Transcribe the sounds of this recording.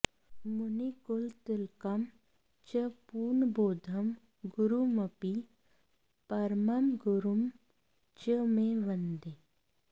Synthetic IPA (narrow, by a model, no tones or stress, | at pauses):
mʊnikʊlt̪ɪlkɐm | t͡ʃəpuːɾnboːd̪ʱɐm | ɡʊɾumɐpi | pɐɾmɐmɡʊɾum | t͡ʃəmẽʋɐnd̪eː